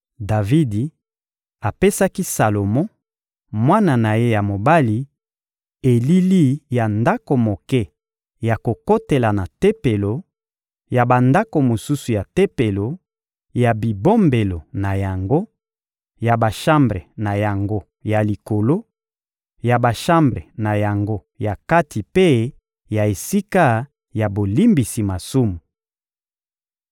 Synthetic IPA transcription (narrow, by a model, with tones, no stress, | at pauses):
da˨vi˦di˨ | a˨pe˦sa˦ki˦sa˨lo˨mɔ̃˦ | mwa˦na˨na˨je˦ja˨mo˨ba˦li˨ | e˨li˦li˦ja˨nda˦ko˨mo˨kɛ˦ | ja˨ko˨ko˦te˨la˨na˨te˦pe˨lo˨ | ja˨ba˨nda˦ko˨mo˨su˦su˨ja˨te˦pe˨lo˨ | ja˨bi˨bo˦mbe˨lo˨na˨ja˨ŋɡo˦ | ja˨ba˨ʃa˦mbʁe˨na˨ja˨ŋɡo˦ | ja˨li˨ko˨lo˦ | ja˨ba˨ʃã˦mbʁe˨na˨ja˨ŋɡo˦ | ja˨ka˦tʰi˨pe˦ | ja˨e˨si˦ka˦ | ja˨bo˨li˦mbi˨si˨ma˨su˦mu˨